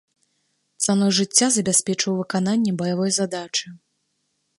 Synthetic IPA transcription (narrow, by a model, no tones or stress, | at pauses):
t̪sanɔjʐɨt͡sʲːazɐbʲasʲpʲɛt͡ʂvɨwvɨkananʲːɛbɐjavɔjzad̪at͡ʂɨ